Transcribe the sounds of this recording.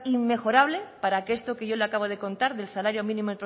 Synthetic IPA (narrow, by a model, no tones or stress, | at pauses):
imːe̞xo̞ɾaβ̞le̞paɾakest̪okeʝo̞leakaβ̞oð̞e̞ko̞nt̪aɾðe̞lsalaɾjo̞mĩnĩmopɾ